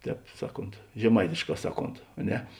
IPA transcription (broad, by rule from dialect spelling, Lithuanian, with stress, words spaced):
ˈtʲɛːp ˈsɑːˌkoːnt ʒʲɛˈmɐɪtʲɪʃˌkɑː ˈsɑːˌkoːnt ɐ ˈnʲɛ